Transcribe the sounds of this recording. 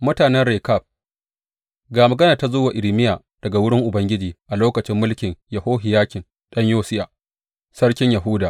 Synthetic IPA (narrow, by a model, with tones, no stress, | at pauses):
mʊ˦taː˨nɛ˦nɽeː˨ka˦˨b̚ | ɡaː˨mɐ˨ɡɐ˦naː˨ta˦zʊː˦waː˨ʔɪ˨ɽɪ˨mɪ˦jaː˨ | d̥ɐ˨ɡa˨wʊ˦ɽɪ˦ŋʔʊ˨bɐ˦ŋɡʲɪ˦d͡ʒiː˨ʔa˨loː˦kɐ˨t͡ʃɪ˦mːʊ˦lkʲɪ˨ŋjɐ˨hoː˦ɦɪ˨jaː˦kʲɪ˨n | ɗɐ˦ɲjoː˦sɪ˦jaː˨ | sɐ˦ɽkʲɪ˦ɲjɐ˨ɦʊ˦daː˨